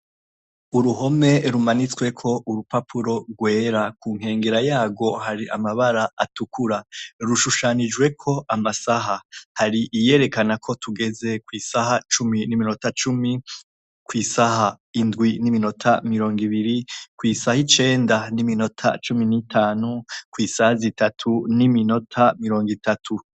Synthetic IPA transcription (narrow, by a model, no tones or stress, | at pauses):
uɾuɦo̞me̞ɾumanit͡swe̞kʰo̞ʔuɾupapʰuɾo̞ɡwe̞ːɾakuːŋ̥he̞ːŋɡeɾajaːɡo̞haɾiʔa̰maβaɾaatukʰuɾaɾuʃuʃanid͡ʒɡwe̞kʰo̞ʔamasaɦahaɾiʔije̞ːɾe̞kanakʰo̞tuɡe̞ze̞kwiːsaɦat͡ʃuminimino̞tat͡ʃumi | kwiːsaha | indɡwinimino̞tʰa̰miɾoːŋɡiβiɾikwiːsahit͡ʃe̞ːndanimino̞tʰa̰t͡ʃuminitʰaːnukwiːsahazitatʰunimino̞tʰamiɾo̞ːŋɡitatʰu